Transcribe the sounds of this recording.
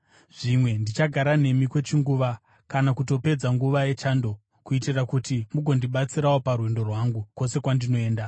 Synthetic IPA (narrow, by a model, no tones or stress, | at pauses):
ʐimwe̞ndit͡ʃaɡʱaɾane̞mikwe̞t͡ʃiŋɡuʋa | kanakuto̞pe̞d͡zaŋɡuʋaje̞t͡ʃando̞ | kuitirakutimuɡʱo̞ndiɓat͡siɾawoparwendo̞rwaŋɡuko̞se̞kwandino̞e̞ːnda